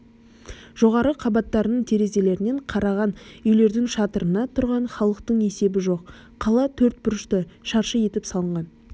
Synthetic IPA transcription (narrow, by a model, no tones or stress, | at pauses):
ʒ̥o̞ʁɑɾəqʰɑbɑt̪ːɑɾənəɴt̪ʰe̞ɾe̞ze̞le̞ɾɪne̞ɴqʰɑɾɑʁɑnʏjle̞ɾd̪ɪŋʃɑt̪əɾənɑt̪ʰʊɾʁɑɴχɑlˠəq̚t̪əɴe̞se̞bɪʒo̞qʰː | ɑlˠɑt̪ʰɵɾt̪̚bʊɾɪʃt̪əʃɑɾʃəje̞t̪ɪpsɑlˠəɴʁɑn